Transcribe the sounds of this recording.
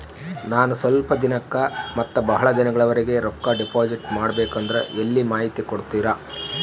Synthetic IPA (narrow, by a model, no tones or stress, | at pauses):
naːnusʋɐlpɐd̪inɐkːɐmɐt̪ːɐbɐɦɐɭɐd̪inɐɡɐɭɐʋɐɾiɡe̞ɾɔkːɐɖipaːd͡ʒiʈmaːɽɐbeːkɐnd̪ɐɾeʔelːimaːɦit̪ikoɽt̪ːiːɾa